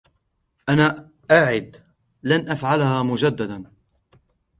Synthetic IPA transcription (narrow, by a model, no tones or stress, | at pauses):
ʔanaː | ʔaʕɪd̪ | lanʔafʕalhaːmʊd͡ʒad̪ːad̪an